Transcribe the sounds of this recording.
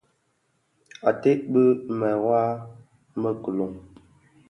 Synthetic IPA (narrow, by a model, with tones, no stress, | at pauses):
a˨te˦ʔbə˦mɛ˨wa˦ | mə˦kə˨lo˨ŋ